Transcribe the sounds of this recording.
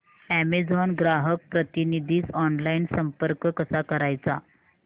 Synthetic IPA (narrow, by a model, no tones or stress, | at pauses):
æmed͡zɔnɡɾaɦək̚pɾət̪inid̪ʱiːt͡sɔnlainsəmpəɾkkəsakəɾajt͡sa